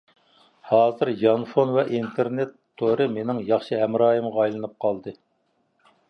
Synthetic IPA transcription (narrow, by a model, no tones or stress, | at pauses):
hɑːzɨɾjɑnfonvɛʔint̪ʰeɾnet̪ʰːoɾɨmenɪŋjɑχʃɪɦɛmɾɑːjɨmʁɑɑjlˠɨnɨp̚qʰɑlˠd̪ɨ